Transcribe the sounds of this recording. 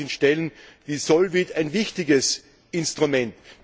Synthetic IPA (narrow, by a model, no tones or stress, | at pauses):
nʃtɛlənviːsɔlvɪtaɪnvɪçtɪɡəs | ɪnstʁ̥ʊmɛnt